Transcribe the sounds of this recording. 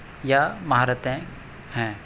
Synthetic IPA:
jamɐɦaːɾət̪ẽ | hɛ̃ː

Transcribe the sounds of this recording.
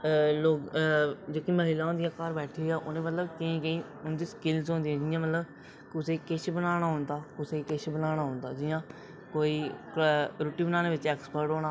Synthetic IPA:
loːɡd͡ʒeːkiːməɦɪlaːõnd̪ɪjãːkaːɾbɛːʈʰiːaːʔoːnẽːmət̪ləbkeĩːɡeiː | ʊnd̪iːskɪlsɦõːnd̪iːɛ̃ːd͡ʒɪjãːmət̪ləb | kʊsekɪt͡ʃʰbənaːɽ̃aːɦõnd̪aːkʊseːkɪt͡ʃʰbənaːɽ̃aːɦʊ̃ːnd̪aːd͡ʒɪjãː | koːiː | ɾʊːʈiːbənaːneːʋɪt͡ʃɛːkspəɾʈɦoːñaː

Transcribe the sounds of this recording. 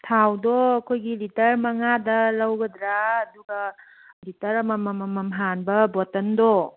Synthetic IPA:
tʰawdɔɐkʰojɡilitɐɾmɐŋadɐlɐwɡɐdɾaɐduɡɐ | litɐɾɐmɐmɐmɐmɐmɦanbɐbɔtɐndɔ

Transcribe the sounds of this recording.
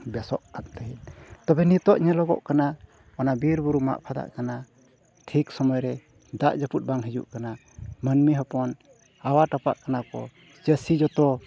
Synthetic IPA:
bɛsɔʔkat̪t̪aɦint̪ɔbɛnit̪ɔʔɲɛlɔɡɔ̰ʔkana | ɔnabiɾbuɾuma̰ʔpʰad̪a̰ʔkana | ʈʰiksɔmɔjɾɛ | d̪aʔd͡ʒəput̪̚ˀbaŋɦid͡ʒṵʔkana | mənmiɦɔpɔn | awaʈapa̰ʔkanakɔ̰ | t͡ʃəsid͡ʒɔt̪ɔ

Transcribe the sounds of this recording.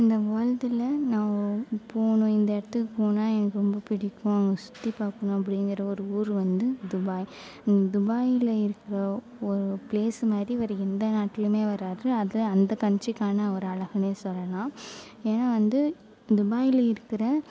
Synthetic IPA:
ɪnd̪ɐʋaːɻd̪ɪlɐnãːpoːɳʊ̃ɪnd̪ɐɛɽɐt̪ːɯkːɯpoːnaːɛnɐkːɯɾɔmbɐpɪɽɪkːʊ̃ɐŋɡɐsʊ̥t̪ːipaːkːɐɳʊ̃ɐp̬ːɐɽɪŋɡɪɾɐɔɾɯuːɾʋɐnd̪ɯd̪ʊbaːj | nd̪ʊbaːjɪlɐɪɾɯkːɪɾɐ | ɔɾɯpleːsɯmaːd̪ɾiʋɐɾɛnd̪ɐnaːʈːɪlɯmeːʋɐɾaːɾɯɐðɐɐnd̪ɐkɐɲt͡ʃɪkːaːnɐɐɾɯɐɭɐɣɐmeːsɔlːɐlãː | eːnaːʋɐnd̪ɯ | d̪ʊbaːjɪlɐɪɾɯkːɪɾɐ

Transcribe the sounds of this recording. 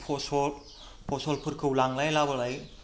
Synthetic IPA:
pʰɔsɔl | pʰɔsɔlpʰɯɾkʰɯwlaŋlajlabɯlaj

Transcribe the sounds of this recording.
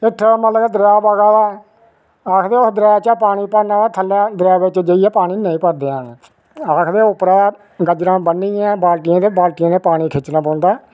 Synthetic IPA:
ɪʈʰːmət̪ləɡɛd̪ɾaːbaːɡaːʋaː | aːkʰd̪eːʊsd̪ɾɛːt͡ʃapaːɽ̃iːpəɾnaːk̪ʰəlːaːd̪əɾaːbɪt͡ʃd͡ʒəiɛːpaːɽ̃iːnəĩːpəɾd̪eːãːneː | aːkʰd̪eːʊpɾaː | ɡəd͡ʒɾãːbəniːɛ̃ːbaːlʈɪjãːd̪eːbaːlʈɪjãːd̪eːpaːɽ̃iːkʰɪt͡ʃːnãːbõːnd̪aː

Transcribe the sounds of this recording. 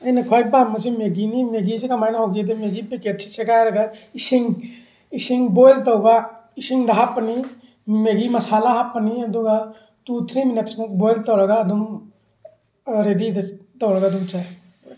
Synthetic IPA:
ɐjnɐkʰojk̚bamːɐsimeɡinimeɡisikɐmajnɐɦoɡid̪emeɡipeketsʰi̥seɡajɾɐɡaisiŋ | isiŋbojltɐwbaisiŋd̪ɐɦapːɐni | meɡimɐsalaɦapːɐniɐd̪uɡa | tut̪ʰɾimineksmuk̚bojltɔwɾɐɡaːdum | ɾedidɐtɔwɾɐɡaːd̪umt͡ʃaj

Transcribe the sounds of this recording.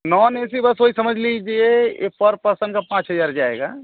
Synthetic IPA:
nɔːneːsibɐsɦoːisɐməd͡ʒʱlid͡ʒieḛpɐɾpɐɾsə̃nkapãːt͡ʃɦəzaːɾd͡ʒaːḛːɡa̰ː

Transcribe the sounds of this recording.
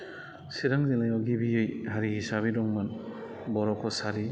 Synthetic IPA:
siɾaŋzilajawɡibiɯjhaɾihisaβiɾɔŋman | bɔɾɔkʰɔsaɾi

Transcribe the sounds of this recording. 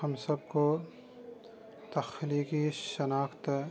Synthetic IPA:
ɐmsɐb̚ko | t̪ɐxliːkiʃɐnaːxt̪

